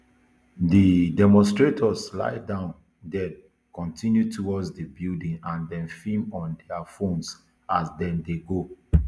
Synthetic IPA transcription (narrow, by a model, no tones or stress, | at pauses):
didɛmɔ̃nstɹetʰɔsla̰ɪdãʊ̃n | dɛd | kɔ̃ntʰĩnjutʰuwɔdsdibildĩŋãndɛ̃nfĩmɔ̃ndɛafõns | azdɛ̃ndeɡo